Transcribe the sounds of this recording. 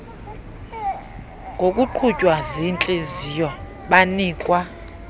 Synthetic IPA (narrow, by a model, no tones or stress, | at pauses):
ŋɡʱokʼuǃʰucʼwazint͡ɬʼezijɔ | ɓaniːkʼwa